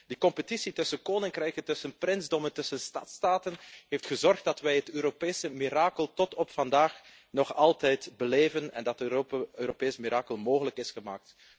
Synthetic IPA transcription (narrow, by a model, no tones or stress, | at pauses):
dikɔmpətisitɵsənkoːnɪŋkrɛjkəntɵsənprɪnzdɔməntɵsənstɑ̰tstaːtənɦejftxəzɔrxt̚dɑtʋɛjɦətøːɾopeːsəmiɾaːkəlˠtɔtɔpfɑndaːx | nɔxɑlˠtɛjtbəleːvənɛ̰ndɑtøːɾopeːsmiɾʔaːkəlˠmoːɣələkɪsxəma̰ːk̚t